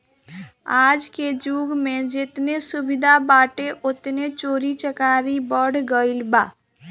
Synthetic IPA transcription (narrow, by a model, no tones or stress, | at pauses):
ad͡ʒked͡ʒuɡmed͡ʒet̪nesubid̪ʱabaʈeʔot̪net͡ʃoɾit͡ʃəkaɾibəɽɡəɪlba